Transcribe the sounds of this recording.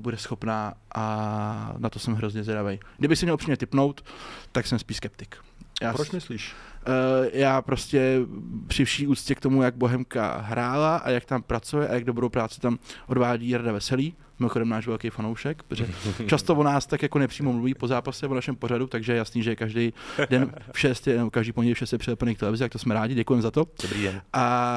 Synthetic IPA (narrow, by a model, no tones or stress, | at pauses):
budɛsxo̞pnaːʔa | nat̪o̞sɛmɦɾo̞zɲɛzɾavejɡdɪbɪxsɛmɲɛlpr̥iːmɲɛt̪ɪpno̞wt̪ːaksɛmspiːʃskɛp̚t̪ɪ̥k | jaːpɾɪsliːʃ | jaːpɾo̞scɛpr̝̥ɪfʃiːʔuːt͡sscɛkt̪o̞mujaɡ̚bo̞ɦɛmka̰ɦɾʔaːlaʔa̰jak̚t̪ampɾat͡sujɛʔajaɡ̚do̞bɾowpɾaːt͡sɪ̥t̪amʔo̞dvaːɟiːɾadavɛsɛliː | mɪmoxodɛmnaːʃvɛlkejfanowʃɛkpoʒɛt͡ʃast̪o̞vonaːst̪akjako̞nɛpr̥iːmo̞mluviːpo̞zaːpasɛvonaʃɛmpo̞ɾadut̪aɡʒɛjɛjasniːʒɛɛkaʒdɛjdɛnfʃɛst̪jɛnɛbokaʒdiːpoɲɟɛlɪfʃɛst̪jɛpr̥ɪɛplnejkt̪ɛlɛvɪzɪt̪ak̚t̪osmɛɾaːɟɪɟɛkujɛmɛzat̪o̞dbɾiɛʔa